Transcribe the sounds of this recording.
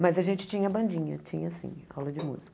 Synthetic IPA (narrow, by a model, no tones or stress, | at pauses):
mɐzɐʒẽt͡ʃɪ̥t͡ʃĩɲɐbɐ̃nd͡ʒĩɲɐ̰t͡ʃḭ̃ɲɐsḭ̃a̰wlɐd͡ʒɪmṵzi̥k